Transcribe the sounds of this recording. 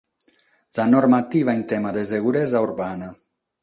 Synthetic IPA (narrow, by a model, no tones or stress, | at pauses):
sanɔɾmat̪ivaent̪ɛmad̪eseɣuɾɛzauɾbana